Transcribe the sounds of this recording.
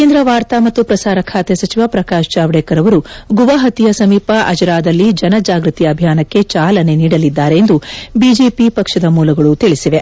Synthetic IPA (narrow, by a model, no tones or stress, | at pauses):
kend̪ɾɐʋaːɾt̪amɐt̪ːupɾɐsaːɾɐkʰaːt̪esɐt͡ʃiʋapɾɐkaːʃt͡ʃaːʋɽɛːkɐɾɐʋɐɾuɡuʋɐɦɐt̪ijɐsɐmiːpɐʔɐd͡ʒɐɾaːd̪ɐlːid͡ʒɐnɐd͡ʒaːɡɾɨt̪ijɐbʱijaːnɐkːe̞t͡ʃaːlɐne̞niːɽɐlid̪ːaːɾeːnd̪ubid͡ʒeːpipɐkʂɐd̪ɐmuːlɐɡɐɭut̪iɭisiʋe̞